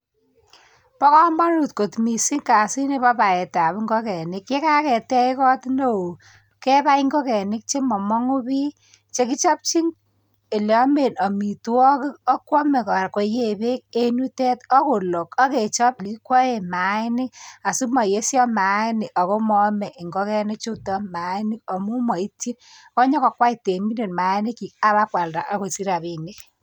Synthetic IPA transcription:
pɔ˦kɔ˦mɔ˦nu˨tko˨tmi˨si˦ŋka˨si˦ne˦pɔ˦pa˨e˨ta˨bŋɡɔ˦kɛ˨nɪ˦kje˦ka˦kɛ˨tɛ˦ɪ˦kɔ˦tno˨o˨ | kɛ˦pa˦i˦ŋɡo˦kɛ˨nɪ˦k̚t͡ʃe˦mɔ˨mɔ˦ŋu˦bi˦ | t͡ʃe˦ki˦t͡ʃɔ˦p̚t͡ʃi˦ŋ | e˨lɔ˦me˨nɔ˨mi˨tɔ˦kɪ˦ɔ˦kwɔ˦me˨kɔ˨ɾko˨je˨be˦k̚e˦nu˦tɛ˦tɔ˦ko˨lo˨kɔ˦ke˨t͡ʃɔ˦p̚li˨ki˦kwɔ˦e˦˨ma˨˦nɪ˦ka˨su˦mɔ˨je˦sjɔ˦ma˨˦nɪ˨ka˨ko˦mɔ˦mɛ˨ʔi˨ŋɡɔ˦kɛ˦nɪ˦k̚t͡ʃo˦tɔ˦ma˨˦i˦nɪ˦kɔ˨mu˦mɔ˨i˦tːi˦nkɔ˦ɲɔ˦kɔ˨kwa˦i˨te˨mi˦ne˨nma˨˦i˦nɪ˦ki˨k̚a˦βa˦kwa˨lda˨ʔa˦ko˨si˦ɾa˨βi˨ni˦k

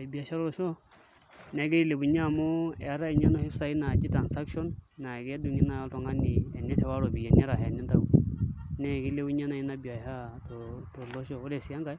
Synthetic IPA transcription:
a˨bi˨a˨ʃa˦ɾɔ˦ɾɔ˨ʃɔ˦ | nɛ˨ɡɛ˦i˦le˨bu˨ɲa˦˨mɔ˦ɛ̰˨a˨˦ɾa˦i˨ɲɔ˦nɔ˦hi˦psa˨i˦na˨d͡ʒi˦ta˨nsa˦kʃɔ˦nːa˨ɡɛ˦du˨ŋi˦na˨˦tɔ˨ŋa˦nɪ˨ɛ˨nɛ˦tɛ˨wa˦ɾɔ˨bi˨jɛ˨nɛ˦ɾa˨ɦɛ˨ni˦nda˦u˦nɛ˦˨ki˦le˦u˦ɲa˦na˨i˦na˨bi˨a˨ha˦ | tɔ˨tɔ˨lɔ˦ʃɔ˦˨ɔ˦lɛ˨si˨a˦ŋɡa˨˦

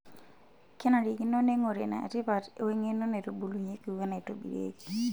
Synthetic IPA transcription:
ke˦na˨ɾi˨ki˦no˦ne˦ŋo˨ɾe˨na̰˨a̰˨ti˦pa˨te˨we˦ŋe˦no˦ne˨ɾo˨bu˨lu˨ɲe˦ki˨u˨ke˦ne˨to˦bḭ˨ɾḛ˦ki̥˨

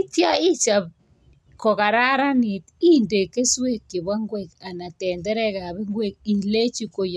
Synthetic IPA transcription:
tja˦i˦t͡ʃa˨β | kɔ˨ka˨ɾa˦ɾa˦ni˨ti˦nde˨ke˦swe˦kːe˨βa˦ŋɡwe˦˨ka˨na˨tɛː˨ndɛ˦ɾɛ˦ka˨βɛ˦ŋɡwe˦˨k̚i˨le˦t͡ʃi˦ko˨j

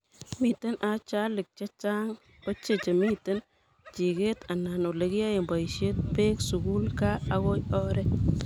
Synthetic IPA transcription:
mi˨te˦nʔa˨t͡ʃa˦lɪ˨k̚t͡ʃa˦t͡ʃa˦ŋ | o˦t͡ʃe˨t͡ʃe˨mi˦te˦n | t͡ʃi˨ke˦t̪a˨na˨no˨le˨ki˦a˦e˨mba˨iʃe˦t̪̚pe˦ksu˨ɡu˦lka˦a˨ɣo˦jɔ˦ɾɛ˦

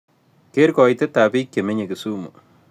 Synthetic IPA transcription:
ke˦ɾkɔ˨jt̪e˦t̪a˨bi˦kʲːe˨me˦ɲe˨ki˨su˦mṵ˨

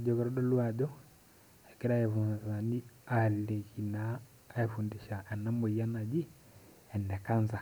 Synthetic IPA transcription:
a˨d͡ʒɔ˨kɛ˨ɾɔ˦ɗɔ˦lu˦a˨ɟɔ˦ | ɛ˨kɛ˦ɾa˦jɛ˨funa˨za˨ni˦a˨lːe˨ki˨naː˦ | ɛ˨fu˨ndi˨ʃa˨ʔɛ˨na˦mo˨i˨ja˦na˨d͡ʒi˦ | ɛ˨nːɛ˨ka˦nza˨

